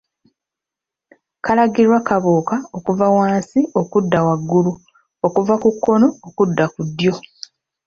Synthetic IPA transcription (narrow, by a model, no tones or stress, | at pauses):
kalaɡiwakaβoːkao̞kuvawãːnsio̞kudːawaɡːulu | okuvakukʰːo̞no̞okudːakudːjo̞